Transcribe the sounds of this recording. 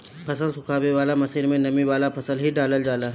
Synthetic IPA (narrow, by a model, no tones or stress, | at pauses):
pʰɐsəlsʊkʰaːweʋaːlamɐsiːɾmẽnɐmiʋaːlapʰɐsəlɦiɖaːləld͡ʒaːlaː